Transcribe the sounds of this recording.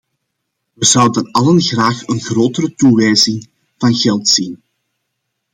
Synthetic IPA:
ʋəzʌwdənɑlənɣraːxənɣroːtəɾətuʋɛjzɪŋ | v̥ɑnɣɛlˠtsin

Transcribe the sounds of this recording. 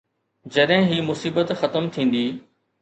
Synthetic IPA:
d͡ʑɐɗɦɪ̃ɦiːmʊsiːbət̪xɐt̪əmt̪ʰĩːn̆d̪iː

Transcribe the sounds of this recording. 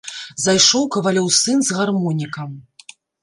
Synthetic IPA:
zajʂɔwkɐvalʲɔwsɨnzɣarmɔnʲikɐm

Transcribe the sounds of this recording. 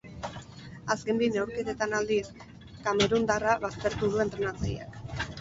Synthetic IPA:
aske̞mb̪inewɾke̞ðet̪anald̪is | kameɾund̪araβast̪e̞ɾt̪uðue̞nt̪ɾe̞nat͡saja̰k

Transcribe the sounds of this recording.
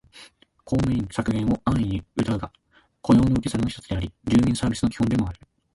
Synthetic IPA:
kʰo̞ːmeĩŋsakɯ̟ɡẽɰ̃o̞ʔãɰ̃ĩɲ̟iɯ̟t̪aɯ̟ɡa | ko̞jo̞ːnoɯ̟kʲisaɾnoç̥t̪ot͡sɨ̥d̪e̞aɾʲiɾɨːmʲĩɰ̃saːbʲisɨno̞kʲi̥hõnd̪e̞mo̞aɾɯ̟

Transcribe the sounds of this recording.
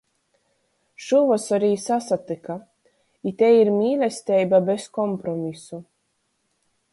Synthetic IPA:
ʃuvɔsɔɾʲiːsasat̪ɨka | it̪ʲɛiɾmʲiːlʲɛsʲt̪ʲɛjbabeskɔmpɾɔmʲisu

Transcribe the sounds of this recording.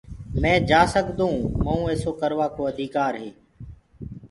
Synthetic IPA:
mɛ̃ːd͡ʒaːsəɠd̪ũːməũːeːsoːkəɾʋaːkoːəd̪ʱiːkaːɾɦeː

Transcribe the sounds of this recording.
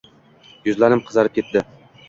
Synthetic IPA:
jʊzlanɪmqʰɨzɑɾɪp̚kʰʲe̞t̪d̪ɪ

